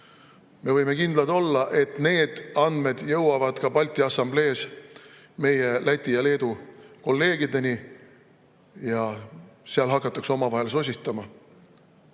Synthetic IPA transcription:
me̞vɤjme̞kind̪lɑd̪̥o̞lːɑʔe̞t̪ˑne̞ːd̪̥ɑnd̪̥me̞d̪̥jɤ̞wwɑvɑd̪̥kɑpɑlʲt̪ˑːiɑsɑmble̞ːs | me̞je̞læt̪ʲːˑijɑle̞ːd̪̥uko̞lːe̞ːɡid̪e̞ni | jɑseɑlɦɑkːˑɑt̪ːˑɑkso̞mɑvɑɦe̞lso̞s̬ʲist̪ɑmɑ

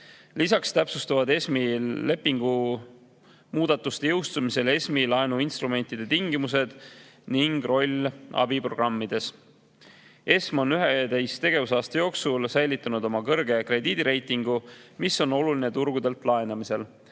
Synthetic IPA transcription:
lisɑkst̪æpsust̪uvɑd̪e̞smile̞pːˑiŋɡ̥u | muːd̪̥ɑt̪ːˑust̪e̞jɤwst̪umise̞le̞smilɑenuinst̪ɾume̞nt̪id̪̥e̞t̪iŋɡimus̬e̞d̪̥niŋɡ̥ro̞lʲːɑ̰bipro̞̰ɡ̥rɑmːid̪̥e̞s | e̞smo̞nyɦed̪e̞jst̪e̞ɡ̥e̞vusɑːst̪ɑjo̞ːksulsæjlit̪ːˑɑnud̪o̞mɑkɤrɡ̥e̞kre̞d̪̥iːd̪̥iɾe̞jt̪ˑiŋɡ̥umiso̞no̞luline̞t̪uɾɡ̥ud̪e̞lt̪ˑlɑe̞nɑmise̞l

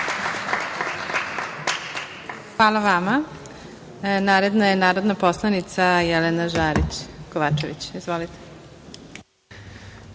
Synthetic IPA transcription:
xʋaːlaʋama | naːɾe̞d̪najenaːɾod̪napo̞slˠanit̪sajelenaʒaːɾḭt͡ɕkoʋaːt͡ʃeʋit͡ɕizʋolit̪e̥

